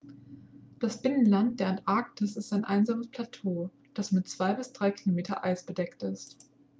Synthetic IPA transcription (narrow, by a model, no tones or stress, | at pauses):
d̥asb̥ɪnənlant̚d̥eːɐɛntʔaɐk̚tʰəsɪstaɪnʔaɪnzaːməspʰl̥atʰoː | d̥asmɪtt͡sv̥aɪbɪsd̥ʁaɪkʰilomeːtɐ̰ʔa̰ɪsb̥ədɛktɪst